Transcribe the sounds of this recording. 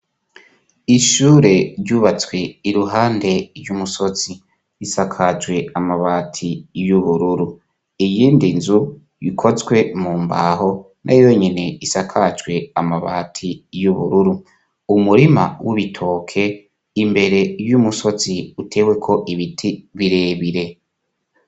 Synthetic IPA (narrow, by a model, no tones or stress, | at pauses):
iʃuːɾe̞ɾɟuːβat͡swe̞iɾuɦaːnde̞ɾjumuso̞t͡si | isakʰad͡ʒwe̞amaβaːtʰijuβuɾuɾu | ijiːndinzu | βḭkʰo̞t͡sɡwe̞muːmba̰ːho̞ | nʔa̰jo̞ɲine̞isakʰad͡ʒɡwe̞amaβa̰ːtʰijuβṵɾuɾu | umuɾima̰wuβitʰo̞ːkʰe̞ | imbe̞ɾe̞jumuso̞t͡siutʰe̞ːwe̞kʰo̞ʔiβitʰiβiɾe̞ːβiɾe̞